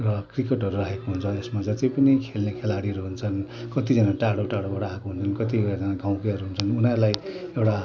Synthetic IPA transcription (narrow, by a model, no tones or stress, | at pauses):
rʌkrikeʈɦʌɾuraɦekoɦunt͡sʰʌesmad͡zʌt̪epʌnikʰelnekʰelaɽiɦʌɾuɦunt͡sʰʌnkʌt̪id͡zʌnaʈaɽoʈaɽobaɽaɦekoɦunt͡sʰʌnkʌt̪̬ioad͡zʌnaɡaw̃kiɦʌɾuɦunt͡sʰʌnunaɾlajewɽa